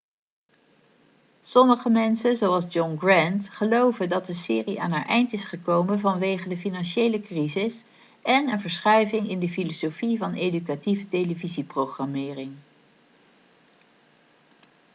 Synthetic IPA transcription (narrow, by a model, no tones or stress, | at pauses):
sɔməχəmɛnsənzowɑlˠzd͡ʒɔŋɡrɛntχəlowvədɑt̚dəsɪːriʔa̰ːnɦaːɹʔɛjntɪsχəkowmənvɑnʋejχədəfinɑnʃejləkrizɪs | ɛnənvəɹsχœɥvɪŋɪndəfilosofivɑnejdykativətejləviziprowχramɪːrɪŋ